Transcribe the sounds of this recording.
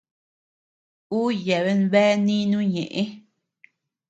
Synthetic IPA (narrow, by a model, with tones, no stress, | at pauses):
u˦je˨βe˧nβɛ˦nĩ˦nũ˦ɲẽ˨ʔe˦